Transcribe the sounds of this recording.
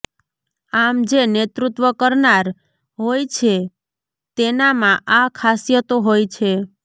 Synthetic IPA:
amd͡ʒenet̪ɾut̪ʋəkəɾnaɾ | ɦojt͡ʃʰe | t̪enamãʔakʰasjət̪oɦojt͡ʃʰe

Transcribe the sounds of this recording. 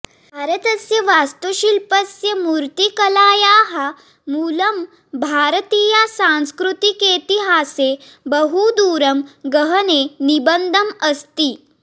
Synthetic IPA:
bʱaːɾɐt̪ɐsjɐʋaːst̪ɐʃilpɐsjɐmuːɾt̪ikɐlaːjaːɦɐ | muːlɐm | bʱaːɾɐt̪iːjasãnskɾut̪ikeːt̪iɦaːse | bɐɦud̪uːɾɐmɡɐɦɐneːnibɐnd̪ʱɐmɐst̪iː

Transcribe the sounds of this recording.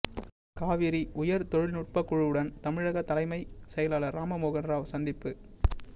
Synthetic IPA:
kaːʋɪɾiʔʊjɐɾt̪ɔɻɪlnʊʈ̚pɐkːʊɻɯɯɽɐnt̪ɐmɪɻɐɣɐt̪ːɐlɐɪmɐɪsɛjɐlaːlɐɾːaːmɐmoːɣɐnɾaːʋsɐnd̪ɪpːɯ

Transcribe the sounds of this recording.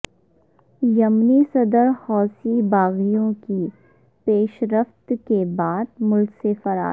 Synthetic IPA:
jɐmnisɐd̪əɾhɔːsibaːɣijõki | peːʃɾəft̪kebaːd̪mʊlksefɐɾa̰ː

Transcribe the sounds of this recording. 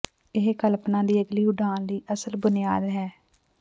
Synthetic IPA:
ɪɦkəlpnãːd̪iːəɡliːʊɖaːnliːʔəsəlbʊnɪjaːd̪ɦɛː

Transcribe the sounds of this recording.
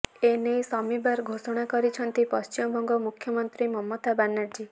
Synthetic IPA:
enesɔmibaɾɡʱosɔɽ̃akɔɾit͡ʃʰɔnt̪ipɔst͡ʃimɔbʱɔŋɡɔmukʰjɔmɔnt̪ɾimɔmːɔt̪abanaɾd͡ʒi

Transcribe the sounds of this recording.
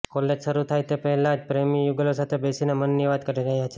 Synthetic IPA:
kɔled͡ʒʃəɾut̪ʰajt̪epəɦɛlad͡ʒpɾemijuɡəlosat̪ʰebesinemənːiʋad̪kəɾiɾəɦjat͡ʃʰe

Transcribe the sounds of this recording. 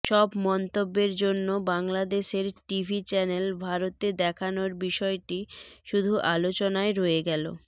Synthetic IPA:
ʃɔbmɔnt̪obːeɾd͡ʑonːobaŋlad̪eʃeɾʈibʱit͡ɕɛnelbʱaɾot̪ed̪ɛkʰanoɾbiʃɔeʈiʃud̪ʱuʔalot͡ɕonaeɾoeɡɛlo̰

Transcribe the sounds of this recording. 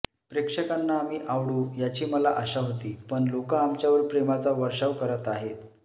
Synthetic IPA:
pɾekʂəkanːaːmiːʔaʋɽuːjat͡ɕiːməlaʔəɕaɦot̪iːpəɳlokaːmt͡ɕjaʋəɾpɾemat͡saʋəɾʂaʋkəɾət̪aɦet̪

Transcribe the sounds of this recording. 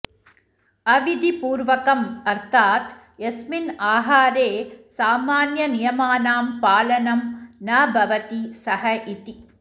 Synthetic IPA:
ɐʋid̪ipuːɾʋɐkɐmɐɾt̪ʰaːt̪ | esminaːɦaːɾeːsaːmaːnjɐnijɐmaːnaːmpaːlɐnɐmnaːbʱɐʋɐt̪isɐɦɐʔit̪i

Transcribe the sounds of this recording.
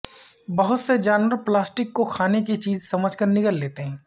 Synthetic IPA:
bɐɦʊt̪sed͡ʒaːnwəɾplaːsʈɪkːokʰaːnek̬it͡ʃiːzsɐməd͡ʒʱkəɾnɪkəlːeːt̪eɦɛ̃ː

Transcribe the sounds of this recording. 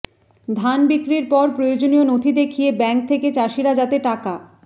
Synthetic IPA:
d̪ʱanbikɾiɾpɔɾpɾojod͡ʑonijonot̪ʰid̪ekʰijebɛŋk̚t̪ʰeket͡ɕaʃiɾad͡ʑat̪eʈaka

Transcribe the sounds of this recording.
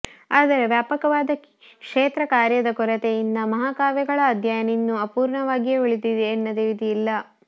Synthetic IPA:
aːd̪ɐɾe̞ʋjaːpɐkɐʋaːd̪ɐk | kʂeːt̪ɾɐkaːɾjɐd̪ɐkɔɾɐt̪ejind̪ɐmɐɦaːkaːʋjɐɡɐɭɐːd̪ʱjaːjɐninːuɐpuːɾɳɐʋaːɡjeʋiɭid̪id̪eːnːɐd̪eʋit̪iilːɐ

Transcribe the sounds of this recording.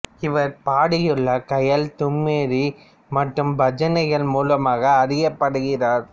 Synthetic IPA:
ɪʋɐɾpaːɽɪjɯɭːɐkɐjɐlt̪ʊmːeːɾi | mɐʈrɯmbɐd͡ʒɐnɐɪɣɐɭmuːlɐmaːɣɐːɾɪjɐpːɐɽɯɣɪraːɾ

